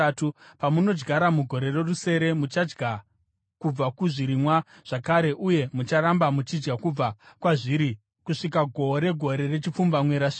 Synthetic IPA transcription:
tupamuno̞d͡ʒɡaɾamuɡʱo̞ɾe̞re̞ruse̞ɾe̞mut͡ʃad͡ʒɡa | kub͡vakuʐiɾimwa | ʐ̥akaɾe̞ʔuje̞mut͡ʃaɾambamut͡ʃid͡ʒɡakub͡vakwaʐiɾi | kuʂik̬aɡʱo̞ɾe̞ɡʱo̞ɾe̞re̞t͡ʃip͡fumbamwe̞ɾaʂi

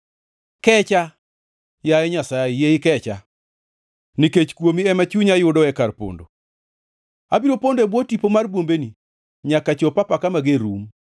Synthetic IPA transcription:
kɛt͡ʃa | jaɛɲasaejeɪkɛt͡ʃa | niket͡ʃkwomiɛmat͡ʃuɲajʊdɔɛkarpo̰ndo̰ | abiɾopondebwɔtipomarbwombeni | ɲakat͡ʃopapakamaɡeɾum

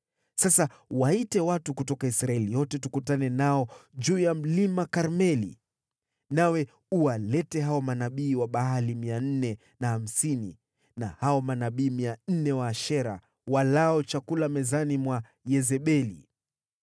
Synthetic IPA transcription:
sasa | waitɛwatukutɔkaisɾaɛlijɔtɛtukutanɛnaɔd͡ʒuːjam̩limakaɾmɛlḭ | nawɛ | uwalɛtɛɦaɔmanaɓiːwaɓaɦalimian̩nɛ | naham̩sinḭ | nahaɔmanaɓiːmian̩nɛwaːʃɛɾa | walaɔt͡ʃakulamɛzanimwa | jɛzɛɓɛli

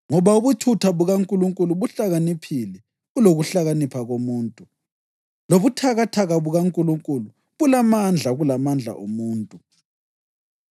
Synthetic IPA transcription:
ŋɔβauβutʰutʰaβuɣaŋkʼuluŋkʼuluβuɬaɣanipʰilɛ | uloɣuɬaɣanipʰaɣomuːntʼu | loβutʰaɣatʰaɣaβuɣaŋkʼuluŋkʼulu | βulamand͡ɮʱaɣulamand͡ɮʱa̰ʔṵmuːntʼu

